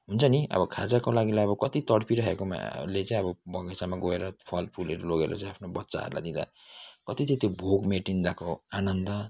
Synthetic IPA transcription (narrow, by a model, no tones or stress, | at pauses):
ɦunt͡sʰʌniʔʌ̰bʌkʰad͡zakolaɡilajʌbʌkʌt̪it̪ʌɽpʰiɾʌɦekoma̰let͡saĩʌbʌbʌɡesamaɡoeɾʌpʰʌl̚pʰuleɾuloɡeɾʌ̰t͡sãj̃apʰnobʌtːsa̰ɦʌ̰ɾula̰jd̪ĩd̪a̰kʌt̪it͡sãt̪jobʱoɡmeʈind̪akoanʌnd̪ʌ